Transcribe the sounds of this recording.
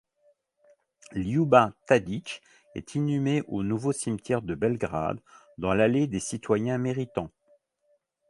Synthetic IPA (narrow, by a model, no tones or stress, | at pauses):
ljubãt̪ad̪it͡ʃ | ɛ̰t̪ʰinymeʔonuvosimt̪ʰjɛʁd̪əbɛlɡʁa̰d̪ː | ɑ̃laled̪esit̪wajɛ̃meʁit̪ɑ̃